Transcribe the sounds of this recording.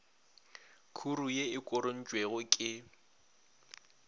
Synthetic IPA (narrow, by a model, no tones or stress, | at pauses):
kʰurujeɪkʼʊɾon̩d͡ʒʼweɣʊkʼɪ